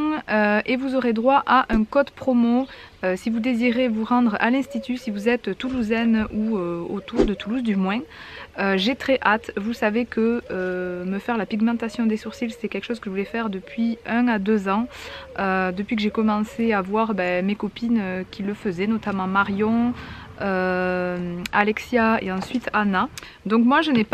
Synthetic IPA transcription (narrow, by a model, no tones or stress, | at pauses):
øevuzoʁed̪ʁwaʔaʔɛ̃kɔd̪pχɔmoøsivud̪eziʁevuʁɑ̃d̪ʁa̰lɛ̃st̪it̪ysivuzɛt̪tːuluzɛnuøo̰t̪uʁd̪ət̪uluzd̪ymwɛ̃ | øʒet̪χɛʔat̪vusavekʰəøməfɛʁlapiɡmɑ̃t̪asjɔ̃d̪esuʁsilse̥t̪ɛkʲɛlkʃɔzkəʒəvulɛfɛʁd̪əpɥiɛ̃ad̪øzɑ̃ød̪əpɥik̬əʒekɔmɑ̃seavwaʁbɛmekɔpinøkʲiləfəzɛnɔt̪amɑ̃maʁjɔ̃ | ø | alɛksjaḛɑ̃sɥit̪ʰana | d̪ɔ̃kmwaʒənɛp